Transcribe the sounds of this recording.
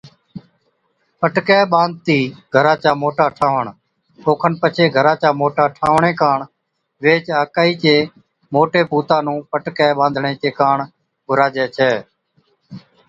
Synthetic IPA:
pəʈkɛːɓãːnd̪̚t̪iːɡʱəɾãːt͡ʃaːmoːʈaːʈʰaːʋəɳ | oːkʰənpət͡ʃʰeːɡʱəɾãːt͡ʃaːmoːʈaːʈʰaːʋɳẽːkaːɳ | ʋeːt͡ʃaːkaːiːt͡ʃeː | moːʈeːpuːt̪ãːnũːpəʈkɛːɓãːnd̪ʱɳẽːt͡ʃeːkaːɳ | ɡʱʊɾaːd͡ʒɛːt͡ʃʰɛː

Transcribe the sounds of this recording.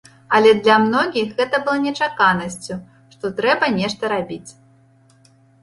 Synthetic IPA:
ɐlʲɛd̪lʲɐmnɔɣʲixɣɛt̪ɐbɨlˠɐnʲɛt͡ʂakanɐsʲt͡sʲu | ʂt̪ɔt̪ɾɛbɐnʲɛʂt̪ɐɾabʲit͡sʲ

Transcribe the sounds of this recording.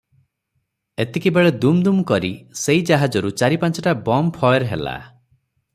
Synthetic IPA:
et̪ekibeɭed̪umd̪umkɔɾiseɦid͡ʒaɦad͡ʒɔɾut͡ʃaɾipant͡ʃɔʈabɔmpʰɔjeɾɦḛla̰

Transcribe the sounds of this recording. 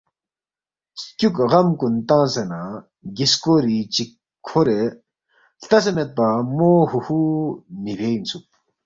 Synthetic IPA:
skʲuk̚ɣamkunt̪aŋsena | ɡiskoɾit͡ɕikʰː | oɾe | ɬt̪asemet̪̚pamoɦuhunipʰejint͡sʰuk̚

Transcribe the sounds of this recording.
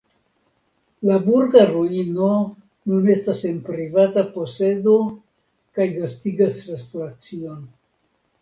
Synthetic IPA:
labuɾɡaɾoino̞ | nune̞stase̞npɾivatapo̞se̞do̞ | kajvastiɡasɾespolat͡sio̞n

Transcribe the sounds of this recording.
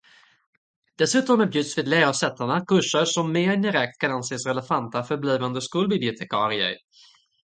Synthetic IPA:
d̪̥ɛsʉ̟ːt̪ɔmæːbjʉd̪svɪːd̪læːɾasɛt̪ʰːaɳakʰɵʂəɾʂɔmːeːɾd̪ɪɾɛk̚t̪kʰananseːsɾɛlɛfant̪afœɾbliːvand̪əskuːlbɪblɪʊt̪ʰɛkʰɑːɾɪə̰ɾ

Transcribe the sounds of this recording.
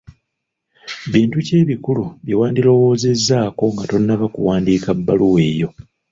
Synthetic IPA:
βiːntuce̞ːβikuluβjiwaːndilo̞wo̞ːze̞zːaːko̞ŋɡato̞nːaβakṵwaːndiːkabːaluwe̞ːjo̞

